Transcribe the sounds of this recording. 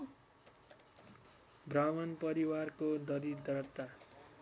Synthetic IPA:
bramʌnpʌɾiwarkod̪ʌɾid̪ʌrt̪a

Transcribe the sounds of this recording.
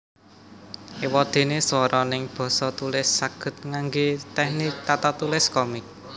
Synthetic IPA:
ʔewɔd̪̥e̤neswɔɾɔnɪŋb̥ɔ̤sɔt̪ulɪsːaɡ̥ə̤t̪̚ŋaŋɡet̪ɛhnik̚t̪at̪ɔt̪ulɪskɔmɪk̚

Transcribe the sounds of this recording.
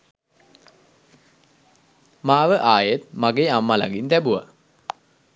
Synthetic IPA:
maːʋəʔaːjet̪̚maɡeːamːala̰ɡint̪æbuʋa̰

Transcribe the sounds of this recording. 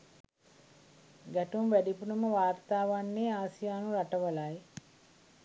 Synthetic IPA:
ɡæʈumʋæɖipuɽuməʋaːɾt̪aːʋanːeːaːsijaːnuɾaʈɐʋəlaj

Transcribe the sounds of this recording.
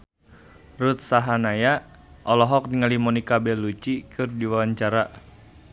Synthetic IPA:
rut̪̚saɦanaja | ʔɔlɔɦɔk̚niŋalimɔnikabɛlut͡ʃikɨrdiwawaɲt͡ʃaɾa

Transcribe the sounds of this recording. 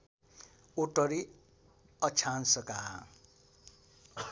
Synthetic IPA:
oʈʌɾi | ʌt͡ʃʰansʌkaɦã

